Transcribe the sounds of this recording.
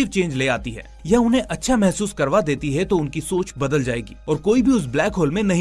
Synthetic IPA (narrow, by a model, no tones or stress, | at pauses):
iʋt͡ʃẽːnd͡ʒleːaːt̪iɦɛ̰ːjaʊnɦẽʔɐtːʃʰamɛɦsuːskɐɾʋad̪eːt̪iɦɛt̪oʊnkisoːt͡ʃbɐd̪əld͡ʒaːeːɡḭːɔːɾkoːibʱiʊs̬blɛːkɦoːlmẽnɐɦĩ